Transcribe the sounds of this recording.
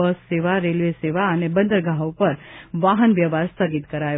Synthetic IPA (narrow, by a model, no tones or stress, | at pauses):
əsːeʋaɾelʋeseʋaənebə̃nd̪əɾɡaɦopəɾʋaɦənʋjəʋaɾst̪ʰəɡit̪kəɾaj